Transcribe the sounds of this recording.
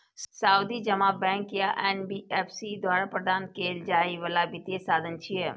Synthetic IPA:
saːʊd̪id͡ʒɐmaːbɛ̃ːŋkjaʔɛːnbiːɛːpʰsid̪waːɾapɾəd̪ʱaːnkeːld͡ʒaːiʋəlabɪt̪jesaːd̪ʱənt͡ʃʰiɦɛ

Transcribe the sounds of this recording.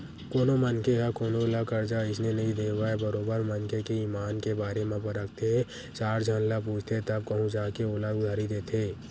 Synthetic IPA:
koːnomənkeɦakoːnolakəɾd͡ʒaɪsnenəɦĩd̪eːʋaebəɾoːbəɾmənkekeiːmaːnkebaːɾemẽpəɾəkt̪ʰeɦɛ | t͡ʃaːɾd͡ʒʱənlapuːt͡ʃʰt̪ʰet̪əb̚kəɦũd͡ʒaːkeoːlaʊd̪ʱaːɾid̪eːt̪ʰeː

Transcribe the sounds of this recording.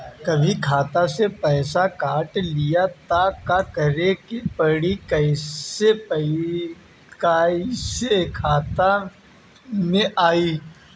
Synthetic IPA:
kɐbʱikʰaːt̪asepɛːsakaːʈlijat̪akakɐɾekepɐɽikɐɪep | kasekʰaːt̪a | mẽʔaːiː

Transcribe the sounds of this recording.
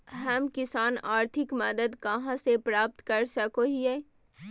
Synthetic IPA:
ɦɐmkɪsaːnaːɾt̪ʰɪkməd̪əd̪kɐɦãsepɾaːp̚t̪kɐɾsəkoɦiɛ

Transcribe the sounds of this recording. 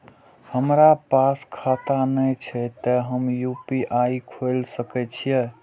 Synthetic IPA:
həmɾapaskʰat̪anəjt͡ʃʰɛt̪əɦəmjupiʔaikʰolsəkɛt͡ʃʰije

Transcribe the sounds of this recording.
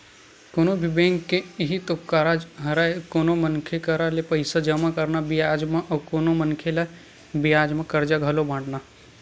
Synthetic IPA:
konobʱibẽːŋɡkːeɪɦit̪okkkːaːɾad͡ʒɦɐɾaːekoːnomənkʰekɐɾalepɐɪsad͡ʒɐmakɐɾnabɪjaːd͡ʒmãʔɔkoːnomənkʰela | bijaːd͡ʒmãkɐɾd͡ʒaɡʱɐlobʱãːɖna

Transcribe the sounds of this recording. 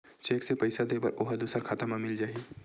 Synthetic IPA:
t͡ʃeːksepɐɪsad̪ebɐ̰ɾʔoɦəd̪uːsəɾkʰaːt̪əmãmɪld͡ʒaːi

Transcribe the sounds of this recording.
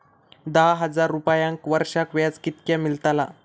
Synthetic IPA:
d̪aɦɦəd͡zaɾːupajãŋkʋəɾʂakʋjat͡skit̪̚kjamilt̪ala

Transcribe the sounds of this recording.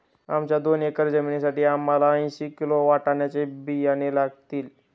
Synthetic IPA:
amt͡ɕjad̪onekəɾd͡zəminisaʈiːamːalaə̃j̃ɕikiloʋaʈaɳjat͡sebijañelaɡ̚t̪iːl

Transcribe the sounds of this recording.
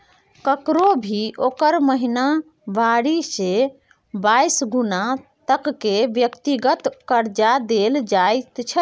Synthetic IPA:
kəkɾobʱiʔokəɾməɦina | baɾise | bajsɡunat̪əkːebjəkt̪iɡət̪kəɾd͡ʒad̪eld͡ʒajt̪t͡ʃʰə

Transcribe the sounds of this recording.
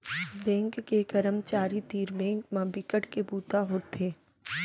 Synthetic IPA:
bɛ̃ːŋkkekəɾəmt͡ʃaːɾit̪iːɾbɛ̃ːŋkmãbɪkəʈkebuːt̪aɦoːt̪ʰeː

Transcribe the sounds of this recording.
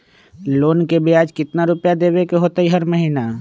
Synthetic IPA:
loːnkebejaːd͡ʒkɪt̪naɾʊpjad̪eːʋekeɦoːt̪aɦiɦəɾməɦiːna

